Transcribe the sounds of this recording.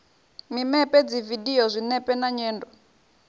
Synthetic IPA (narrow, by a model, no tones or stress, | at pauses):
mimɛpʼɛd͡zividiɔzʷinɛpʼɛnaɲɛːndɔ